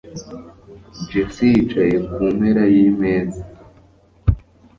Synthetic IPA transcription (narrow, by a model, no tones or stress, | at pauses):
d͡ʒesit͡ʃajekumeɾajimeːza